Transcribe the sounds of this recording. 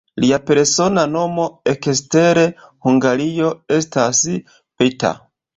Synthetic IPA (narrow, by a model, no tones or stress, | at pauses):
liape̞ɾso̞nano̞mo̞ekesteɾe̞huŋɡaɾio̞e̞stas | peta̰